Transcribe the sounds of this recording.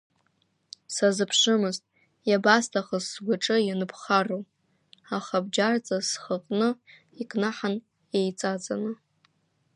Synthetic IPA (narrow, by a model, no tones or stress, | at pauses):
sazɨpʰʂɨmɨztʼ | jabastʰaχəzːɡʷaʈ͡ʂʼɨjanɨpʰχarow | aχabd͡ʒart͡sʼasχəqʼnɨ | ikʼnaħan | jejt͡sʼat͡sʼanɨ